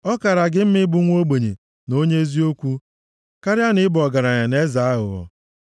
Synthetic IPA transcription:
ɔ˦ka˨ɾa˨ɡɪ˦m̩˦mɪ˦bʊ˦ŋʷ˦o˦ɡ͡be˨ɲe˨ | no˦ɲe˦e˦zi˦o˦kʷu˦ | ka˦ɾja˦nɪ˦bɔ˨ɡa˨ɾa˨ɲa˨ne˦za˨a˦ɦʊ̰˨ɔ̰˨

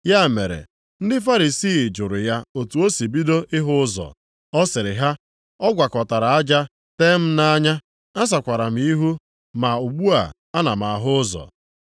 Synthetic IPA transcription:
ja˦˨me˨ɾḛ˨ | n̩˦dɪ˦fa˦ɾi˨siː˦˨d͡ʒʊ˨ɾʊ˨ja˦o˨tu˨o˦si˨bi˦do˦ʔɪ˦ɦʊ˦zɔ̰˨ | ɔ˦sɪ˨ɾɪ˨ɦa˦ | ɔ˦ɡʷa˨kɔ˨ta˨ɾa˨a˦d͡ʒa˦ | te˦m̩˦na˦ɲa˦ | a˦s̬a˨kʷa˨ɾa˨m̩˨i˦ɦu˦ | ma˨u˨ɡ͡bu˦a̰˨ | a˦na˨m˨a˨ɦʊ˦zɔ̰˨

